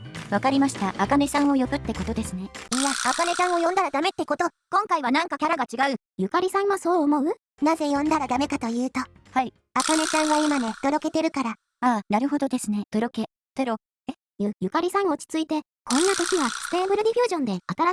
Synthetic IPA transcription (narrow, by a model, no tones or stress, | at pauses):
βakaɾʲimaɕi̥t̪aːkane̞sãɰ̃o̞jo̞bɯ̟t̪ːe̞ko̞t̪o̞d̪e̞sɨne̞ijaːkane̞t͡ɕãɰ̃o̞jõ̞nd̪aɾad̪ame̞t̪ːe̞ko̞t̪o̞ | kõ̞ŋkaiβanãŋkakʲaɾaɡat͡ɕiɡaɯ̟ | jɯ̟kaɾʲisãɰ̃βaso̞ːmo̞ɯ̟ | naze̞jõ̞nd̪aɾad̪ame̞kat̪o̞jɯ̟ːt̪o̞hai | akane̞t͡ɕãɰ̃βaimane̞d̪̥o̞ɾo̞ke̞t̪e̞ɾɯ̟kaɾa | aːnaɾɯ̟ɦo̞d̪o̞d̪e̞sɨne̞d̪̥o̞ɾo̞ke̞ | t̪eɾo̞ | e | jɯjɯkaɾʲisãɰ̃oːt͡ɕi̥t͡sɨit̪e̞ | kõ̞nːat̪o̞kʲiβat̪e̞ːbɯ̟ɾɯ̟ɾʲiɸʲjɨ̟ːʑõ̞nd̪e̞at̪aɾa